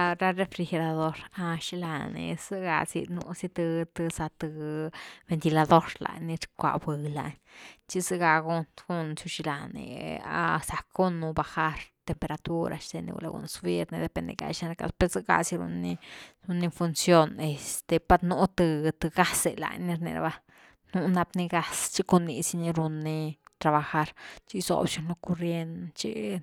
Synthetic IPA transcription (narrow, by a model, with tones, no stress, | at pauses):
ɾa˧re˧fɾi˧xe˧ɾa˧d̪o˦ɾa˧ʃi˧la˧nḛ˧sɨ˦ɡa̰˧sḭ˧nu˧si˦t̪ɨ˧t̪ɨ˧sa˧t̪ɨ˧be˧nt̪i˧la˧d̪o˦ɾla̰˧jni˧ɾkʷa̰˨bɨ˨la˧ɲt͡ʃi˦sɨ˦ɡa˧ɡu˦nɡu˦nt͡ʃu˧ʃi˧la˨nḛ˨a̰˧sa˨ku˦nːu˧ba˧xa˦ɾt̪e˧mpe˧ɾa˧t̪u˦ɾʔa̰˧ʃt̪e˧nḭ˧ɡṵ˧la̰˧ɡṵ˧˨nsbi˦ɾni˧d̪e˧˨pe˧nd̪ḛ˧ɡa̰˧jʃnɾka̰˧spe˧ɾzɨ˦ɡa̰˧si˧ɾṵ˧ni˧ɾu˧nːi˦˧fu˧nsjo˦˧ne˧st̪e˧pa˧t̪nu˧˦t̪ɨ˧t̪ɨ˧ɡa˦se˧la̰˧jni˧ɾnḭ˧ɾa̰˧ba˧ | nu˦na˧bni˧ɡa˧st͡ʃi˦ko˧nːi˧si˧ni˧ɾu˧nːi˧t̪ɾa˧βa˧xa˧ɾt͡ʃi˦zo̰˨bʃi˧nlo˧ko˧ɾje˧nt͡ʃḭ˦